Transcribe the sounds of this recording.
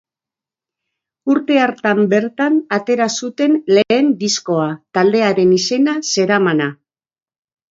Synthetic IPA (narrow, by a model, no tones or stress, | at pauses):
uɾt̪e̞aɾt̪ambe̞ɾt̪anat̪e̞ɾasut̪e̞nle̞ːnd̪isko̞at̪ald̪e̞aɾe̞nise̞nase̞ɾamana